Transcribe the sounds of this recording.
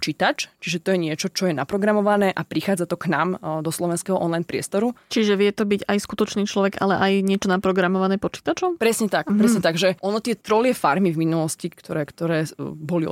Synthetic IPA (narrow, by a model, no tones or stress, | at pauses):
t͡ʃiːt̪at͡ʃt͡ʃiʒɛt̪ɔjɛɲɪɛt͡ʃɔt͡ʃɔjɛnapɾɔɡɾamɔʋanɛːʔapɾixaːd͡zat̪ɔknaːmd̪ɔslɔʋɛnskɛɦɔʔɔnlajnpɾɪɛ̰st̪ɔɾut͡ʃiʒɛʋɪɛt̪ɔbiɟajskut̪ɔt͡ʃniːt͡ʃlɔʋɛɡa̰lɛʔajɲɪɛt͡ʃɔnapɾɔɡɾamɔʋanɛːpɔt͡ʃi̥t̪at͡ʃɔmpɾɛsɲɛt̪akpɾɛsɲɛt̪aɡʒɛʔɔnɔt̪ɪɛt̪ɾɔlɪɛfa̰ɾmivminulɔscikt̪ɔɾɛːkt̪ɔɾɛːbɔliɔ̰